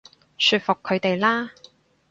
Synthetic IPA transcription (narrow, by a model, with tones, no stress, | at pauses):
syː˧t̚fʊ˨kʰːɵ˨˧ɥt̪e˨jlaː˥